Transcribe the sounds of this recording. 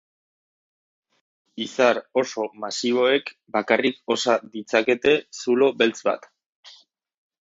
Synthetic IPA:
isaɾo̞so̞masiβo̞e̞kbakariko̞sad̪it͡sake̞t̪e̞sulo̞be̞lt͡sba̰t̪

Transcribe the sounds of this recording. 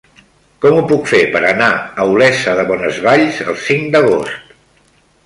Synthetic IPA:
kɔmupukfepəɾənaəulɛsəðəβ̞ɔnəzβaʎzə̰lˠsiŋd̪əɣ̞ost̪

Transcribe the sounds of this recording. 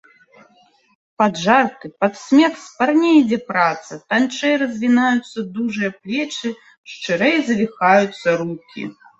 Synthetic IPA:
pad̪ʐart̪ɨpɐt̪sʲmʲɛksparnʲɛjd͡zʲɛpɾat̪sɐt̪ant͡ʂɛjɾɐzʲvʲinajut̪sːɐd̪uʐɨjɐplʲɛt͡ʂɨ | ʂt͡ʂɨɾɛjzɐvʲixajut̪sːɐɾukʲḭ

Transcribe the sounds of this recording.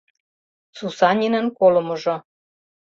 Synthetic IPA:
t͡susɑnʲinə̆nkolɤ̆mŏʒŏ

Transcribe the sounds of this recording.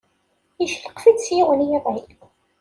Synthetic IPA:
iʃləqfid̪sjɪwənjæðˤæjʷ

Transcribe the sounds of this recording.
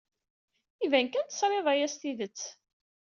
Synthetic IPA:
ivænkænt̪ə̥sɾˤeðˤæjæst̪iðət͡sː

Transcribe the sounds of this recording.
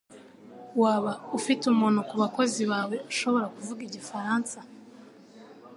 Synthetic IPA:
waːβaufitumunokuβako̞ziβaːwe̞aʃo̞βo̞ɾakuvuɡiɟifaɾaːnsa

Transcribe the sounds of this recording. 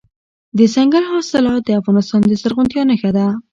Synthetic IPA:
d̪əsaŋɡalɦɑsɪlɑd̪əafɣɑnɪst̪ɑnd̪əsaɾɣʊnt̪jɑnəxad̪a

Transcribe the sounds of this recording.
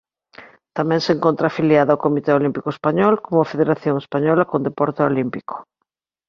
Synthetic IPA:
t̪amɛ̃ŋseŋkont̪ɾaːfiljaðaokomit̪eolimpikoespaɲɔlkomʊfeðeɾaθjoŋespaɲɔlɐkõnd̪epɔɾt̪eolimpiko̥

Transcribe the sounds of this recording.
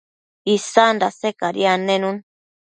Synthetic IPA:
isandasekaɾḭanẽnũn

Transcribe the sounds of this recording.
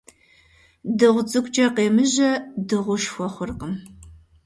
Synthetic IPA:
dɨʁʷʊt͡sʼɨkʷʰʼt͡ʃʼɐqeːmɨʑɐdɨʁʷʊʃxʷɔχʷʊrqəm

